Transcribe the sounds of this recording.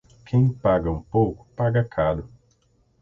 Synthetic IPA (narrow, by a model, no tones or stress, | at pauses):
kʰẽj̃paɡɐũpowkʊ̥paɡɐkʰaɾʊ